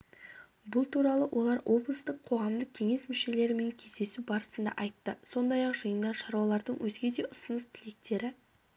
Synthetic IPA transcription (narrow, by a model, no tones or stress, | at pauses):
bʊlˠt̪ʰuɾɑlˠəwʔo̞lˠɑɾwʔo̞blˠəst̪əqʰːo̞ʁɑmd̪əq̚kʲʰe̞ŋe̞smʏʃe̞le̞ɾɪme̞ŋkʲʰe̞zd̪e̞subɑɾəsənd̪ɑ̰ʔɑjt̪ːəso̞nd̪ɑjɑqʒəjənd̪ɑʃɑɾwɑlˠɑɾd̪əɴwʔɵzɡʲe̞d̪e̞ʔʊsənəst̪ʰɪle̞k̚t̪e̞ɾɪ